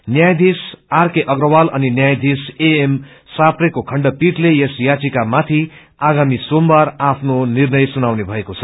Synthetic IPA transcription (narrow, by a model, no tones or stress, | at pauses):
njajd̪isarkeʔʌɡrʌwalʌ̰ninjajd̪iseem | saprʌkokʰʌɳɖʌpiʈlejesjat͡sikamat̪ʰi | aɡamisombaɾapʰnonirnʌjsunawnebʱʌekot͡sʰʌ